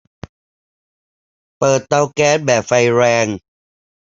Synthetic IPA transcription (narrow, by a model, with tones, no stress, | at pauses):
pɤː˨˩t̪ːa˧wkɛː˧˥˩t̚bɛː˨˩p̚fa˧jɾɛː˧ŋ